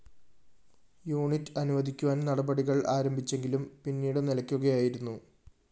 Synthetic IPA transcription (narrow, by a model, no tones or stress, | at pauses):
juːɳitːɐnuʋɐd̪ʱikʲːuʋaːnnɐɽɐbɐɽiɣɐɭaːɾɐmbʱit͡ɕːe̞ŋɡilumpinːiːɽɨnilɐkʲːuɣɐjaːjiɾunːu